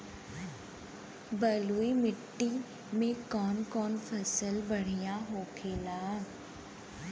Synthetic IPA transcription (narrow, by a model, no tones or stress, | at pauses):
bəluːimɪʈːi | mẽkɔːnkɔːnfʰɐsəlbəɽ̤ijãɦoːkʰeːlaː